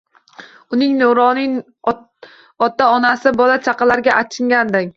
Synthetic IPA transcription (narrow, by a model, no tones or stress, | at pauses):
ʊnɪŋnoɾɒnɪŋ | ɒt̪aɒnasɪbɒlat͡ʃʰaqɑlaɾɡʲaʔat͡ʃʰɪŋɡʲand̪ɪŋ